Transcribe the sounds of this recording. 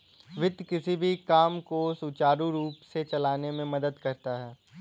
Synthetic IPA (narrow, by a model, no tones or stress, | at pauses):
ʋɪd̪ʱkɪsibʱikaːmkosut͡ʃaːɾũɾuːpset͡ʃɐlaːnemẽmɐd̪əd̪kɐɾt̪aɦɛː